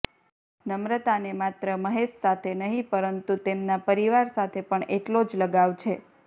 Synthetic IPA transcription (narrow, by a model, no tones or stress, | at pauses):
nəmɾət̪anemat̪ɾəməɦeʃsat̪ʰenəɦĩpəɾənt̪ut̪emnapəɾiʋaɾsat̪ʰepəɳeʈlod͡ʒləɡaʋt͡ʃʰe